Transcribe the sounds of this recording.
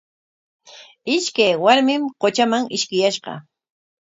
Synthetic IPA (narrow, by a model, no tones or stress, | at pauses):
ɪʃkajwaɾmɪmqot͡ʃamaŋɪʃkɪjaʃɢɑ̰